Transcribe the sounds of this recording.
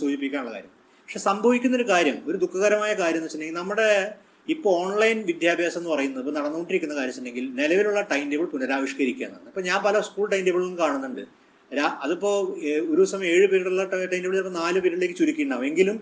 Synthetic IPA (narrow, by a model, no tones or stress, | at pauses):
suːd͡ʑip̬ːikʲːaːnɳuɭɐka̰ːɾjɐ̰m | pɐkʂeːsɐmbʱɐʋikʲːunːɐo̞ɾukaːɾjɐmoɾud̪ukʰːɐɣɐɾɐmaːjɐkaːɾjɐmnːɐt͡ɕːɐnːdeŋɡilnɐmːuɽe̞ | ipːooːɳlɐjnʋid̪ʱjaːbʱjaːsɐmenːɨpɐrɐjunːɐðipːoːnɐɽɐnːuɣoɳʈːiɾikʲːunːɐkaːɾjɐmsɐnːdːeŋɡilnelɐʋiluɭːɐʈɐjmdebɐɭpunɐɾaːʋiʂkɐɾikʲːa̰ːnːa̰ɳipːoːɲaːnpɐlɐskuːɭʈɐjndeʋɐɭnːkaːɳunːuɳɖɨ̰ | ɾaʔɐðupːo̞ːoɾusɐmɐjɐme̞ːɻɨpiɾiɽuɭːɐʈɐjndebɐɭːpːonaːlɨpiɾiɽilekːɨt͡ɕuɾikʲːiɳɖaːmeŋɡilum